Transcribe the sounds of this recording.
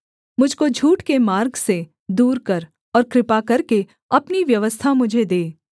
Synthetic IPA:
mʊd͡ʒʱkod͡ʒʱuːʈkemaːɾɡse | d̪uːɾkɐɾ | ɔːɾkɾɪpakɐɾke | ɐpniʋjɐʋəst̪ʰamʊd͡ʒʱed̪eː

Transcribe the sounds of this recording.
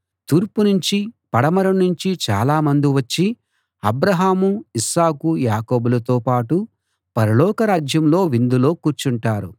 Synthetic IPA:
t̪uːɾpunuɲt͡ʃipɐɽɐmɐɾɐnuɲt͡ʃit͡ʃa̰ːlaːmɐnd̪iʋɐt͡ʃːi | ɐbɾɐɦaːmuisaːkujaːko̞ːbulɐt̪oːpaːʈu | pɐɾɐlɔːkɐɾaːd͡ʒjɐmlo̞ːʋind̪ulo̞ːkuːɾt͡ʃuɳʈaːɾu

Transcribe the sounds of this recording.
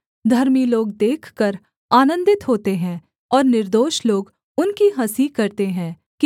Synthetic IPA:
d̪ʱɐɾmiloːɡ̚d̪eːkʰkəɾ | aːnə̃nd̪ɪt̪ɦoːt̪eɦɛ̃ | ɔːɾnɪɾd̪oːʃloːɡ | ʊnkiɦɐsikɐɾt̪eɦɛ̃ː | k

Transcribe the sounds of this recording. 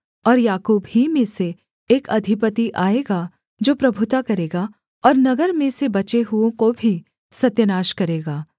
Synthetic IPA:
ɔːɾjaːkuːbɦimẽse | eːkɐd̪ʱɪpət̪iʔaːeːɡa | d͡ʒoːpɾɐbʱʊt̪akɐɾeːɡa | ɔːɾnɐɡəɾmẽsebɐt͡ʃeɦuõkobʱi | sɐt̪jənaːʃkɐɾeːɡaː

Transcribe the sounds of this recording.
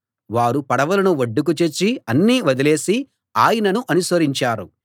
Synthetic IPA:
ʋaːɾupɐɽɐʋɐlɐnuʋɐɖːuk̬ut͡ʃet͡ʃːiɐnːiːʋɐd̪ile̞ːsi | aːjɐnɐnuʔɐnusʋɐɾiɲt͡ʃaːɾu

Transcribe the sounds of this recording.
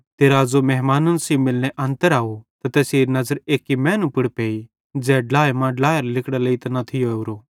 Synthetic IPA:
t̪eːɾazomɛɦmaːnɐnsimɪlneʔɐ̃nt̪əɾaːot̪ɐt̪ɛːseːɾnɐzəɾeːkːimɛ̃ːnũpɪɽpeːi | d͡zɛːɖlaːjmãɖlaːjɾlɪkɽaleːit̪ɐnɐt̪ʰɪjoeuɾoː

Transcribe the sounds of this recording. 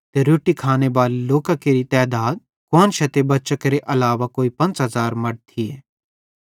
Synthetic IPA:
t̪eɾuːʈikʰaːnebaːliloːkakeɾit̪ɛːd̪aːd̪̚ | koːnʃɐt̪ebɐtːʃəkɾeʔɐlaːʋakoːipɐ̃nt͡ʃɦɐzaːɾmɐɽt̪ʰieː

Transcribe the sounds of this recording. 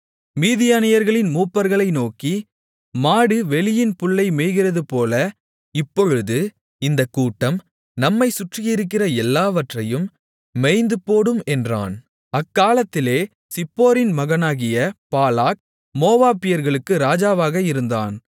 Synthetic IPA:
miːðɪjaːnɪjɐɾɣɐɭɪnmuːpːɐɾɣɐɭɐɪnoːki | maːɽɯʋɛlɪjɪnpʊɭːɐɪmɛːɣɪrɐðɯpoːlɐ | ɪpːɔɻɯðɯ | ɪnd̪ɐkːuːʈːɐm | nɐmːɐɪsʊʈrɪjɪɾɯk̬ːɪrɐɛlːaːʋɐʈrɐjɯmː | ɛɪnd̪ɯpːoːɽɯmɛndra̰ːn | ɐkːaːlɐt̪ːɪleː | sɪpːoːɾɪnmɐɣɐnaːɣɪjɐpaːlaːk̚ | moːʋaːpːɪjɐɾɣɐɭɯkːɯɾaːd͡ʒaːʋaːɣɐɪɾɯnd̪a̰ːn

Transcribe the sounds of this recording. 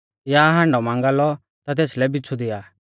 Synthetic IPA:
jaɦãːɳɖɔmãːŋɡalɔ | t̪at̪̬eːslɛbɪt͡sʰud̪ɪjaː

